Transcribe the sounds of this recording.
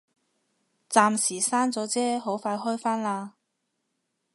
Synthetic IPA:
t͡saː˧msiː˨˩saː˥nt͡sɔː˨˥t͡sɛː˥ɦo˨˥wfaː˧jɦɔː˥jfaː˥nlaː˧

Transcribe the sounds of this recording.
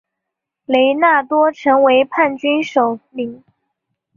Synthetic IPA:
le˧˥ɪna˥˩t̪wɔ˥ʈ͡ʂʰɤ˧˥ŋwe˧˥ɪpʰa˥˩nt͡ɕy˥nʂo˨˩ʊli˨˩˦ŋ

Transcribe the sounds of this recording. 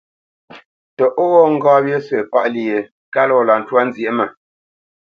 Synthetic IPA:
tɔ˨ʔo˦ɣɔ˦ŋ̩˦ɡaː˦bje˦se˨pa˦ʔli˨e˨ | ka˦lɔ˦˨la˨n̩˨twa˦n̩˦zje˨˦mə˨

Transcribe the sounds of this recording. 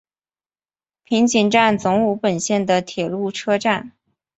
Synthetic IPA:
pʰi˧˥ŋt͡ɕi˨˩ŋʈ͡ʂa˥˩nt͡sʊ˧˥ŋu˧˥pə˨˩nɕjɛ˥˩nd̪ə˩t̪ʰjɛ˨˩lu˥˩ʈ͡ʂʰɤ˥ʈ͡ʂa˥˩n

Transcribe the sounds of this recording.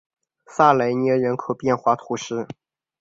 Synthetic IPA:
sa˥˩le˧˥ɪnjɛ˧˥ɻə˧˥nkʰo˨˩ʊpjɛ˥˧nxwa˥t̪ʰu˧˥ʂɻ̩˥˩

